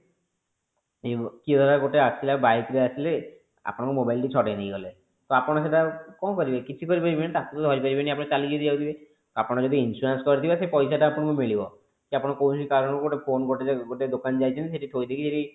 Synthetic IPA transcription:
ekid̪ʱɔɾɡoʈeasilabajt̪ɾiasʰile | a̰pɔɽ̃akumobajlʈit͡ʃʰɔʈajnejɡɔle | t̪oapɔɽ̃aseʈakɔmkɔɾibekit͡ʃʰikɔɾipaɾibenat̪akut̪od̪ʱɔɾipaɾibeniapɔ̃ɽ̃et͡ʃaliɡet̪id͡ʒawt̪ʰibe | t̪oapɔɽ̃ad͡ʒɔd̪iinsuɾenskɔɾit̪ʰibesepɔjsaʈaːpɔɽ̃ɔkumiɭibɔ | kiapɔɽ̃akowikaɾɔñkuɡoʈepʰonɡoʈeeɡoʈed̪okand͡ʒajt͡ʃʰɔnt̪iseʈiʈʰojd̪ʱekʰiseʈi

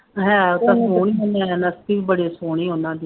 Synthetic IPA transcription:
ɦɛ̃ːt̪ãsoːɽiːɦoːnãːɦɛːnəst̪iːʋibəɽeːsoːɽ̃iːɦonãːd̪iː

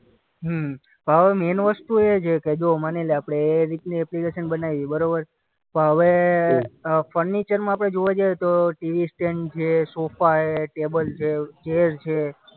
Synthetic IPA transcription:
ɦ | pəɦəʋemenʋəst̪uet͡ʃʰeked͡ʒomaneleapɽ̃eɾit̪niɛplikeʃənbənajiibəɾobəɾ | pə̃ɦəʋe | fəɾnit͡ʃəɾmãaːpəɽ̃ed͡ʒoʋad͡ʒajet̪oʈiʋisʈeɳʈt͡ʃʰesofaeʈebəlt͡ʃʰet͡ʃeɾt͡ʃʰe

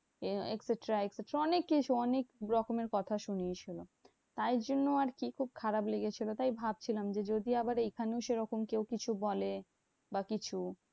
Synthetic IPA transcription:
ekseʈɾaekseʈɾaɔnekːit͡ɕʰuɔnekɾɔkomeɾkɔt̪ʰaʃuniet͡ɕʰilo | t̪ajɾd͡ʑonːoaɾkikʰub̚kʰaɾableɡet͡ɕʰilot̪ajbʱab̚t͡ɕʰilamd͡ʑed͡ʑod̪iabaɾejkʰaneoʃeɾɔkomkewkit͡ɕʰubɔle | bakit͡ɕʰu

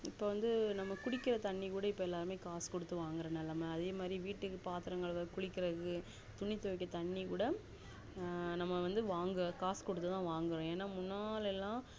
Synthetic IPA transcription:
ɪpːoːʋɐnd̪ɯnɐmːɐkʊɽɪkːɪɾɐt̪ɐɳːikuːɽɐɪpːoːɛlːaːɾɯmeːkaːskɔɽɯt̪ːɯʋaːŋɡɐɾɐnɛlːɐmɐɐðeːmaːd̪ɾiʋiːʈːɯkːɯpaːt̪ɪɾɐŋɡɐɭʋɐkʊɽɪkːɪɾɐkɯ | t̪ʊɳɪt̪ːɔʋɪkːɐt̪ɐɳːikuːɽɐ | nɐmːɐʋɐnd̪ɯʋaːŋɡkaːskɔɽɯt̪ːɯt̪ãːʋaːŋɡɯɾõːeːnːaːmʊnːaːlɛlːãː

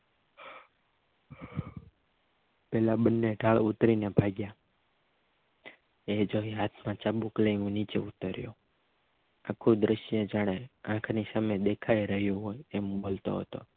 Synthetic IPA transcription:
pɛlaɓənːeɖʱaɭut̪ɾinebʱaɡja | ed͡ʒoɦiɦat̪ʰmãt͡ʃaɓukləjũnit͡ʃḛut̪əɾjo̰ | a̰kʰud̪ɾəʃjed͡ʒaɽ̃eãkʰnisamed̪ekʰaiɾəɦjũɦojembolt̪o̰ɦə̰t̪o̰

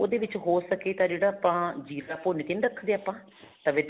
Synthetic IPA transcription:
oːd̪eːʋɪt͡ʃɦoːsəkeːt̪ãːd͡ʒeːɽaːpãːd͡ʒiːɾaːpoːnet̪eːnɾəkʰːd̪eːapːãː | t̪ãʋeːd̪

